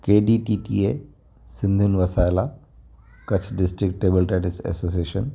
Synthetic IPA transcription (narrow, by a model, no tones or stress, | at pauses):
keːɖiʈiːʈie | sɪ̃nd̪ʱunʋɐsaːjla | kɐt͡ɕʰɖɪsʈɾɪkʈːeːbəlʈeːʈisḛsoːs̬ieːʃən